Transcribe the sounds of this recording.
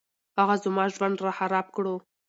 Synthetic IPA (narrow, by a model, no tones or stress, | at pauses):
haɣazmɑʒwand̪ɾaxaɾɑb̚kɽo